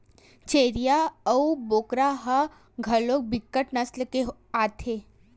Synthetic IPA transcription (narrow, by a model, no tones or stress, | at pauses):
t͡ʃeːɾijaəuboːkɾaɦə | ɡʱɐloːk̚bɪkːəʈnɐslkeɦ | aːt̪ʰeː